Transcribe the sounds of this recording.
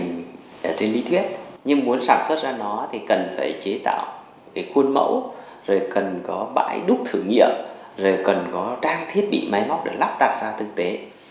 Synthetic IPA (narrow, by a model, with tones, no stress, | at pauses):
ŋ | ʔəː˧˩t͡ɕe˧nli˧t̪ʰwi˦˥ət̚ɲɨ˧ŋmu˨˦ənsaː˧˩nswə˦˥t̚zaː˧nɔ˨˦t̪ʰi˨˩kə˨˩nfaː˧˩jt͡ɕe˨˦t̪a̰ː˧˨w | kaː˨˦jxwu˧ənmə̰˧˥w | zo˨˩jkə˨˩nkɔ˨˦ɓa̰ː˧˥˩jɗʊ˦˥k͡p̚t̪ʰɨ˧˩əŋːḭ˧˨əm | zo˨˩jkə˨˩nkɔ˨˦t͡ɕaː˧ŋt̪ʰi˦˥ət̚ɓḭ˧˨ma˨˦jma˦˥wk͡p̚ɗḛ˧˩la˦˥p̚ɗaː˨˩t̚zaː˧t̪ʰɨ˨˩k̚t̪e˨˦